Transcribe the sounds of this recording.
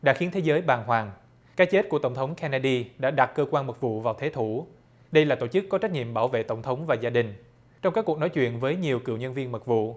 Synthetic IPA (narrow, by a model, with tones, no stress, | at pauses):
ɗa̰ː˧˥xi˨˦ənt̪ʰe˨˦zəː˨˦jɓaː˨˩nɦwaː˨˩ŋ | kaː˦˥jt͡ɕe˦˥t̚ku˧˩ət̪ə˧˩wŋ͡mt̪ʰə˨˦wŋ͡mkʰɛ˧naː˧ɗi˧ɗa̰ː˧˥ɗa˨˩t̚kəː˧kwaː˧nmə˨˩t̚vṵ˧˨vaː˨˩wt̪ʰe˨˦t̪ʰu˧˩ | ɗə˧jlaː˨˩t̪o˧˩t͡ɕɨ˦˥kːɔ˨˦t͡ɕa˦˥j̚k̚ɲḭ˧˨əmɓaː˧˩wvḛ˧˨t̪ə˧˩wŋ͡mt̪ʰə˨˦wŋ͡mvaː˨˩zaː˧ɗï˨˩ŋ̟ | t͡ɕɔ˧wŋ͡mkaː˦˥kːk̚nɔ˨˦jt͡ɕwḭ˧˨ənvəː˨˦jɲi˨˩əwkɨ̰˧˨wɲə˧nvi˧ənmə˨˩t̚vṵ˧˨